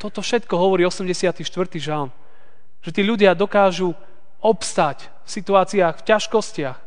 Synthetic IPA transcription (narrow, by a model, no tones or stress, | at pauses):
t̪ɔt̪ɔfʃɛt̪kɔɦɔʋɔɾiːɔsɛmɟɛsɪat̪iʃt̪ʋr̩t̪iʒan | ʒ̥ɛt̪iːʎuɟɪad̪ɔkaːʒu | ɔpst̪ac | fsit̪uaːt͡siaxfcaʃkɔscɪax